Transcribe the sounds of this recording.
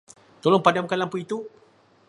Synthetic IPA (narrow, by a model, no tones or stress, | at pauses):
t̪olɔŋpadamkalampuit̪u